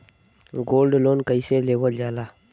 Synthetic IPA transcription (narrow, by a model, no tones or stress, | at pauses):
ɡoːlɖloːnkəiːseleːʋəld͡ʒaːlaː